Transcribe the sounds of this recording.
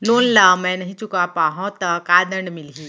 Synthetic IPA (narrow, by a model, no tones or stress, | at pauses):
nonlamɛ̃nəɦĩt͡ʃukapaɦɔ̃t̪əkad̪əɳɖmilɦi